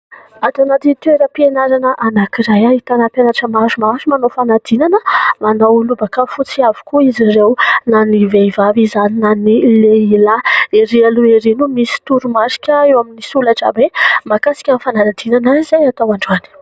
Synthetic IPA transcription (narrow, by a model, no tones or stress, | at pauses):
at̪anat̪it̪ueɾəpienaɾanəʔanakiɾajait̪anapanaʈ͡ʂəmazumaɾumanofanad̪̥inanəmanowlubakafut͡siavi̥kuizirewnaniveivavizaninanileilaeɾialueɾinumisi̥t̪uɾumaɾi̥kʲəewaminisulaʈ͡ʂa̰bemakasi̥kʲanfanaad̪inanaizajat̪awaɳɖ͡ʐani̥